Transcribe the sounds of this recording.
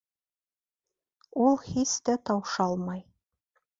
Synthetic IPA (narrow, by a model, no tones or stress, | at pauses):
ulˠhist̪æt̪ɑwʃɑlˠmɑj